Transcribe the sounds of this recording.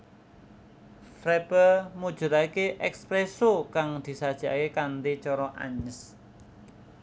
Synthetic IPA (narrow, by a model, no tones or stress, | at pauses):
fɾɛpəmud̥ʒ̥ṳt̪aikeʔɛkspɾesokaŋd̪̥i̤sad̥ʒ̥i̤a̰kekant̪it͡ʃɔɾɔʔa̰ɲəs